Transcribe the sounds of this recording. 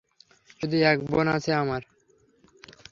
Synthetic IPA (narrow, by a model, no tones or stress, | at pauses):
d͡ʒud̪iɛk̚bo̰nat͡ɕʰeamaɾ